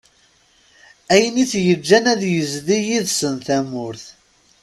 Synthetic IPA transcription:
æjəniθjəd͡ʒːænæðjəzðijiðsənθæmːʊɾθ

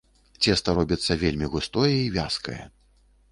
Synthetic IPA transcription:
t͡sʲɛst̪ɐɾɔbʲit̪sːɐvʲelʲmʲiɣust̪ɔjɛivʲaskɐ̰jɐ̰

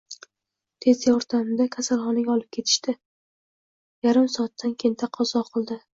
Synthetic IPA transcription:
t̪ʰe̞zjɒɾt̪ʰamd̪akʲʰasalˠχɒnɪɡʲaɒlˠɪp̚kʰʲe̞t̪ʰɪ̥ʃt̪ɪ | jaɾɪmsɒat̪ʰːankʲʰent̪ʰaqʰɒzɒqʰɨlˠd̪ɪ

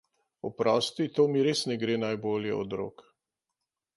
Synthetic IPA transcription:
ɔpɾɔst̪it̪oːmiɾeːsnɛɡɾeːnajboːljɛ̰ɔd̪ɾo̰k

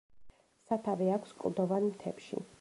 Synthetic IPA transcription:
sat̪ʰavɛakʰskʼld̪ɔvanmt̪ʰɛ̰pʃḭ

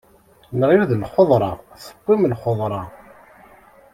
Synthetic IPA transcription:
nʁjuðlχoðˤɾˤɑ̰θə̥qʷːimlχoðˤɾˤɑ

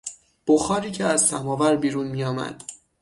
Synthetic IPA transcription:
b̥oxɒːɾiːcʰeæzsæmɒːvæɾbiːɾuːnmiːjɒːmæ̰d̪̥

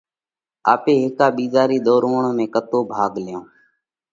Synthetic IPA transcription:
aːpeːɦɪkaːɓiːzaːɾiːɗ̪oːɾʋoɳõːmẽːkət̪oːbʱaːɡljõː

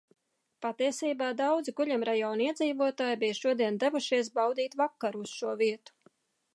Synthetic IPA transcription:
pat̪iɛsiːbaːd̪awd̪ziɡuʎʲamɾajɔːniɛd̪ziːvuɔt̪aːjbijʃuɔd̪iɛnd̪ɛvuʃiɛs̬bawd̪iːt̪vakːaɾuusʃuɔviɛt̪u̥

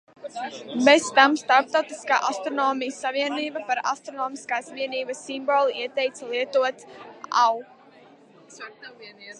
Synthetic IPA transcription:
best̪amst̪aɾp̚t̪awt̪iska̰ːʔast̪ɾɔnɔːmijsːaviɛniːbapaɾa̰st̪ɾɔnɔːmiskaːsviɛniːbəsːimbɔlˠiiɛt̪ɛjt̪slˠiɛt̪uɔt̪a̰w

